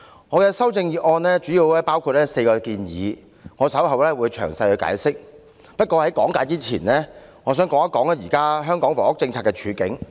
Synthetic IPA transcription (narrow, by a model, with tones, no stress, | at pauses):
ŋɔː˨˧kɛː˧sɐ˥wt͡sɪ˧ŋjiː˨t̚ʔɔː˧nlɛ˥t͡ʃyː˨˥jiː˧wlɛː˥paː˥wkʰu˧t̚lɛː˥se˧jkɔː˧kiː˧njḭː˨˧ | ŋɔː˨˧sɐ˨˥wɦɐ˨wlɛː˥wuː˨˧jt͡ʃʰœː˨˩ŋsɐ˧jhɵ˨˧ka̰ː˨˥jsɪ˥k̚ | pɐ˥t̚kʷɔː˧hɐ˨˥jkɔ̰ː˨˥ŋkaː˨˧jt͡siː˥t͡sʰiː˨˩nlɛ˥ŋɔː˨˧s̬œː˨˥ŋkɔː˨˥ŋɐ˥kːɔː˨˥ŋɐ˥jiː˨˩kaː˥ɦœː˥ŋkɔː˨˥ŋfɔ̰ː˨˩ŋʊ˥k̚t͡sɪ˧ŋt͡sʰaː˧t̚kɛ˧t͡ʃʰyː˨˧kɪ̰˨˥ŋ